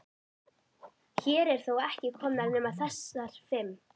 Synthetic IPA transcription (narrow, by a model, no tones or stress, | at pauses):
çɛːɾɛɾ̥θowɛhcɪkʰɔmnaɾnɛːmaðθɛsaɾ̥fɪm